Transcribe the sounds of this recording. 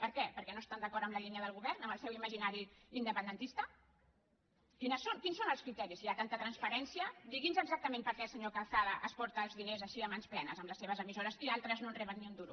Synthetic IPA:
pəɾkɛpəɾkɛnoest̪and̪əkɔɾəmləʎiniəðəlˠɣ̞uβɛɾnəmbəlˠsɛwiməʒinaɾiind̪əpənd̪ənt̪ist̪ə | kinəsonkinsonəlˠskɾit̪ɛɾisiat̪ant̪ət̪ɾənspəɾɛnsiəd̪iɣinzəɡzak̚t̪əmẽmpəɾkɛsəɲokalˠθaðəʔəspɔɾt̪əːlˠzðinezəʃiəmansplɛnəzəmləsːeβəzəmizoɾəzialˠt̪ɾəznonrɛβənːiund̪uɾu

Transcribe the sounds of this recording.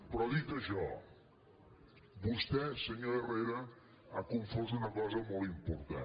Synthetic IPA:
pɾɔðit̪əʃɔ̰ | bust̪ɛsəɲoɾereɾɐ | akuɱfozunəkɔzəmolˠimpuɾt̪a̰

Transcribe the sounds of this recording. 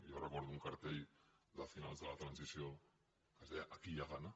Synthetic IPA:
jorekoɾðuŋkaɾt̪eʎd̪afinalzðəlat̪ɾansisijo | kaseakiʎaɣana

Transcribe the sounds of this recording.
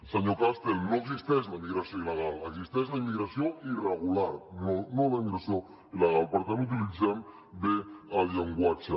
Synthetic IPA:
saɲokast̪elnoeksist̪ezlaimiɣɾasjoileɣalaksist̪ezlaimːiɣɾasjoireɣulaɾnonoleiŋɡɾeso | ileɣalpaɾt̪emut̪̬ilisem | d̪eaβjaŋɡwat͡ʃa

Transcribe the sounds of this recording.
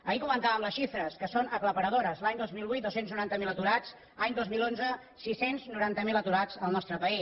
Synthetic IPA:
əikumənt̪aβəmləsʃifɾəskəsonəkləpəɾəðoɾəzlaɲd̪ozmilˠβujt̪d̪osenznuɾant̪əmilət̪uɾad͡z | aɲd̪ozmilˠonzə | sisenznuɾant̪əmilət̪uɾad͡zəlˠnɔst̪ɾəpəi

